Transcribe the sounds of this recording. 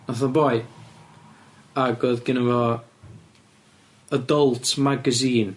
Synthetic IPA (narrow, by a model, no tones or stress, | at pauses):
naθɔbɔj | aɡoːðɡ̥ɪnəvɔ | ədɔlˠtʰmaɡəziːn